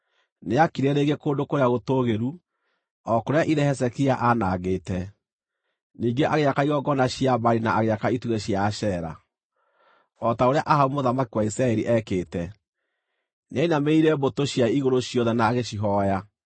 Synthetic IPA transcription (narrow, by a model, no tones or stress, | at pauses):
neakiɾɛɾeːɡekoːndokoɾeaɣotoɣeɾu | ɔkoɾeaʔiðɛhɛs̬ɛkiaʔanaɣeːtɛ | niːŋɡeʔaɣeakaiɣɔɡɔnaɕiabaɾinaːɣeakaituɣeɕjaʃɛɾa̰ | ɔtaoɾeaʔaɦaumoðamakiwaisɾaɛɾiʔɛkeːtɛ | neainameiɾɛbotoɕjaiɣoɾoɕiɔðɛnaːɣeɕiɦɔja